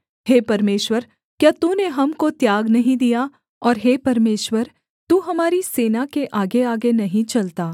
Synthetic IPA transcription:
heːpɐɾmeːʃwəɾ | kjaːt̪uːneɦɐmkot̪jaːɡnɐɦĩd̪ija | ɔːɾɦeːpɐɾmeːʃwəɾ | t̪uːɦɐmaːɾiseːnakeʔaːɡeaːɡenɐɦĩt͡ʃɐlt̪aː

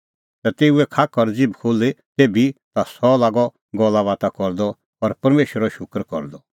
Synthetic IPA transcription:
t̪at̪eːuɛkʰakɔɾd͡zɪbkʰoːlet̪eːbit̪asɔlaːɡɔ | ɡɔlːaʋaːt̪akɔɾd̪ɔ | ɔɾpɐɾmeːʃəɾɔʃʊkɾkɔ̰ɾd̪ɔ

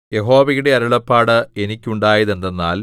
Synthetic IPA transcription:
je̞ɦo̞ːʋɐjuɽe̞ɐɾɐɭɐpːaːɽɨenikʲːuɳɖaːjɐðend̪ɐnːa̰ːl

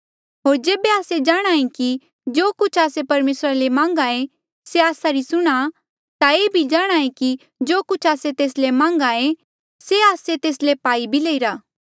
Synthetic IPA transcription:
ɦoːɾd͡ʒeːbeaːsed͡ʒaːɽ̃aːẽki | d͡ʒoːkʊt͡ʃʰaːsepɐɾmeːsɾalemãːŋ̆ɡae | seaːsaɾisʊɽ̃a | t̪aeːbʱid͡ʒaːɽ̃aːẽki | d͡ʒoːkʊt͡ʃʰaːset̪eːslemãːŋɡae | seaːset̪eːslepaːibʱileːiɾaː

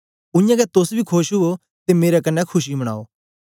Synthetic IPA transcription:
ʊ̃jãɡɛt̪ʊsbʱikʰoːʃɦʊo | t̪emeːɾɛk̬ɐnːɛkʰʊʃ̬ibəɽ̃a̰ːoː

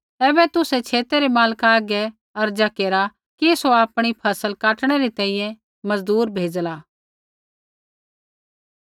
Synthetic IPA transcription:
ɛːbɛt̪ʊset͡ʃʰeːt̪eɾemaːlkaːɡɛ | ɐɾd͡ʒakeːɾa | kisoaːpɽ̃ipʰɐsəlkaːʈɽ̃eɾit̪ɛ̃ːĩːjɛ̃ | mɐzd̪uːɾbʱeːd͡ʒlaː

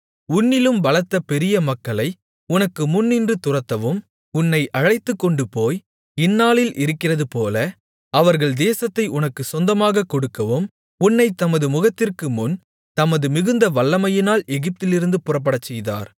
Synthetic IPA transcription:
ʊnːɪlɯmbɐlɐt̪ːɐpɛɾɪjɐmɐkːɐlɐɪ | ʊnɐkːɯmʊnːɪndrɯt̪ʊrɐt̪ːɐʋɯm | ʊnːɐɪʔɐɻɐɪt̪ːɯkːɔɳɖɯpoːj | ɪnːaːlɪlʔɪɾɯkːɪrɐðɯpoːlɐ | ɐʋɐɾɣɐɭd̪eːsɐt̪ːɐɪʔʊnɐkːɯsɔnd̪ɐmaːɣɐkɔɽɯkːɐʋɯm | ʊnːɐɪt̪ːɐmɐðɯmʊɣɐt̪ːɪrkɯmʊn | t̪ɐmɐðɯmɪɣɯnd̪ɐʋɐɭːɐmɐjɪnaːlɛɣɪp̚t̪ɪlɪɾɯnd̪ɯpʊrɐp̬ːɐɽɐt͡ʃːɛjða̰ːɾ

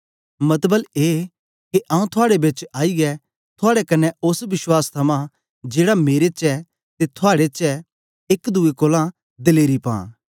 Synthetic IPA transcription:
mɐt̪bəleː | keʔãːũt̪ʰʊaːɽebɪt͡ʃaːiɡɛ | t̪ʰʊaːɽɛkɐnːɛʊsʋɪswaːst̪ʰɐmã | d͡ʒeːɽameːɾet͡ʃɛ | t̪et̪ʰʊaːɽet͡ʃɛ | ɪkd̪uekoːlã | d̪ɪleːɾipã̰ː

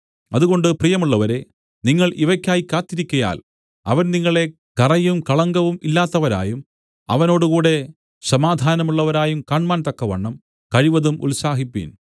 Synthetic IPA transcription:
ɐðuɣo̞ɳɖɨprijɐmuɭːɐʋɐɾe̞ | niŋːɐɭʔiʋɐkʲːaːjikːaːt̪ːiɾikʲːɐja̰ːl | ɐ̰ʋɐnniŋːɐɭe̞ | kɐrɐjumkɐɭɐŋɡɐʋumilːaːt̪ːɐʋɐɾa̰ːjum | ɐ̰ʋɐno̞ːɽuɣuːɽe̞ | sɐmaːd̪ʱaːnɐmuɭːɐʋɐɾaːjumkaːɳmaːnt̪ɐkːɐʋɐɳːɐm | kɐɻiʋɐðumʔṵlsaːɦipːḭn

